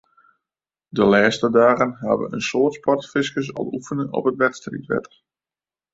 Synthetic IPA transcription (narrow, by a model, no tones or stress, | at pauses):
dəlɛːstədaːɣənɦa̰ːʋə̰ənsoːətspɔtfɪskəs̬ɔ̰lˠufənəɔ̰pətʋɛtstrḭtʋɛ̰tər